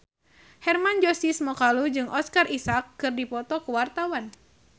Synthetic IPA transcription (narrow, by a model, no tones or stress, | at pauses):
hɛrmand͡ʒɔsismɔkalud͡ʒɨŋʔɔskarisakːɨrdipɔt̪ɔkuwart̪awan